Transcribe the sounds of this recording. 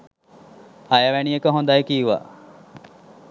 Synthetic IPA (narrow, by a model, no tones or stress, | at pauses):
ɐjəʋænijekəɦond̪ajəkiːʋa̰